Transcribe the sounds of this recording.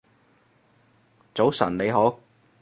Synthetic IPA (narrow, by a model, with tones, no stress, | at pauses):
t͡so˨˥wsɐ̰˨˩nle˨˧ɦoː˨˥w